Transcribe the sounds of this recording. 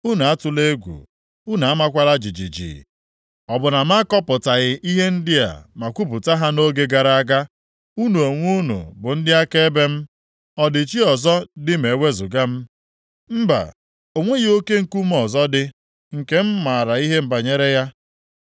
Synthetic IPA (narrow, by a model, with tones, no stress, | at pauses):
u˦na˨a˦tʊ˨le˦ɡʷṵ˨ | u˦na˨a˦ma˦kʷa˦la˦d͡ʒi˨d͡ʒḭ˨d͡ʒḭ˨ | ɔ˨bʊ˨na˨m̩˦a˦kɔ˦pʊ˨ta˨ɣɪ˨ʔi˦ɦe˦n̩˦dɪ˦a̰˨ma˨kʷu˦pʊ˨ta˦ɦa˦no˦ɡe˦ɡa˨ɾa˨a˦ɡa˦ | u˦nu˨o˨ŋʷu˦nṵ˨bʊ˨n̩˦dɪ˦a˦ke˦be˦m̩˦ | ɔ˨dɪ˨t͡ʃi˦ɔ˨zɔ˦dɪ˦me˨wʷe˦zʊ˨ɡa˦m̩˦ | m̩˦ba̰˨ | o˨ŋʷe˦ɣo˦ke˦ŋ̩˨ku˦m˦ɔ˨zɔ˦dɪ˦ | ŋ̩˨ke˦m̩˦ma˨ɾa˨i˦ɦe˦m̩˦ba˨ɲe˦ɾe˦ja˦